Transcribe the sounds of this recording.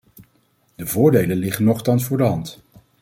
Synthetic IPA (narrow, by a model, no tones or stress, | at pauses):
d̥əvʊːɹdejlənlɪχənɔχtɑnsfʊːɹdəɦɑnt